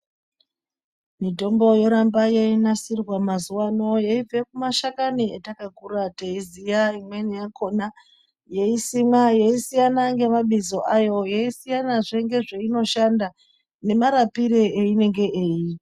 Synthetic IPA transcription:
mito̞mbo̞joɾambajeinasirwamazuwano̞jeib͡ve̞kumaʃakanietakakuɾateizijaimwe̞nejakʰo̞na | jeisimajeisijanaŋɡe̞maɓizo̞ʔajo̞jeisijanaʐe̞ŋɡe̞ʐe̞ino̞ʃanda | ne̞maɾapiɾeeine̞ŋɡe̞ʔeːji

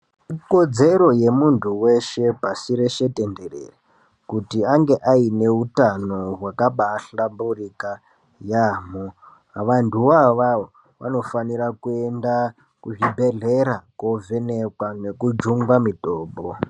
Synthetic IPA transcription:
iko̞d͡ze̞ɾo̞je̞muntʰuwe̞ʃe̞pasiɾeʃe̞te̞nde̞rḛra | kutiaŋɡe̞ʔaine̞utano̞ɦwakaɓaɬamburika | jaːmo | ʋantʰuwaʋao | ʋa̰no̞faniɾakue̞nda | kuʐibʱe̞ɮe̞ɾako̞vene̞kwane̞kud͡ʒuŋɡwamitoːmbo

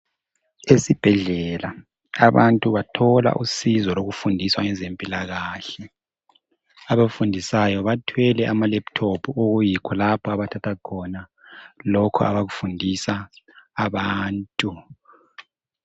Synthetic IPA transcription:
esib̥ʱɛɮɛla | aβantʼuβatʰɔla̰ʔusizɔloɣufundʱiswaŋɛzempʼilaɣaːɬɛ | aβafundʱisajɔβatʰwɛlɛʔamalɛptʰopʰuoɣujikʰɔlapʰɔaβatʰatʰakʰɔna | lɔkʰɔ̰a̰βaɣufundʱisaː | βaːntʼu

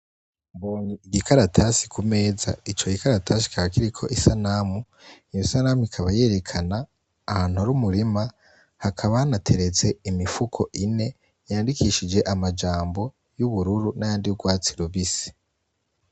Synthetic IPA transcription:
mboːɲiːɡikaɾatʰasi̥kʰume̞ːza̰it͡ʃo̞ɡikaɾatʰasi̥kʰaβakiɾikʰo̞ʔisanaːmu | ijisanamuikʰaβaje̞ːɾe̞kʰanaː | haːn̥huaɾumuɾima | hakʰaβaanatʰe̞ɾet͡se̞imifukʰo̞ʔine̞ | jaːndikiːʃid͡ʒe̞ʔamad͡ʒaːmbo̞ | juβuɾuɾunajaːndijuɡwaːt͡siɾuβisi̥

